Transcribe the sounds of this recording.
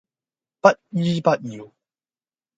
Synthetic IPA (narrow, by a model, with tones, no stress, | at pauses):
pɐ˦t̚i˦pɐ˦t̚ji˨˩˨